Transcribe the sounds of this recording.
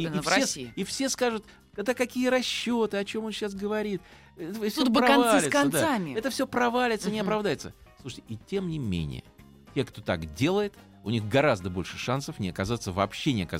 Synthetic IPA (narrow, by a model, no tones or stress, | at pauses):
ifʲesiifsʲe̞skaʐʊt̪ | kaɡd̪akɐkʲijəɾɐɕːot̪ɨɐt͡ɕo̞mo̞nɕːasɡəvɐɾʲit̪ | ɛt̪əfsʲuobɨɐɐnvalʲsɪtkɐnd̪saamʲɪɛt̪əfsʲopɾɐvalʲɪt̪sənʲɪɐpɾɐvd̪ajɪt̪səsluʂə̥tʲɪ̥itʲe̞mnʲɪmʲḛnʲɪ̰jə̰ | tʲekt̪o̞t̪a̰kdʲe̞lˠəjɪt̪ | ʊnʲixɡɐɾazd̪əbo̞lʲʂɨʂansəfnʲɪɐkɐzat̪səvɐ̰ːpɕːenʲɪɐkɐ̰